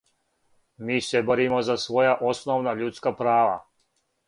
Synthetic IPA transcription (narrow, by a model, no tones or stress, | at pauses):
miːse̞bo̞ɾimo̞zasʋo̞jaʔo̞snoʋnaʎut̪skapɾaːʋa̰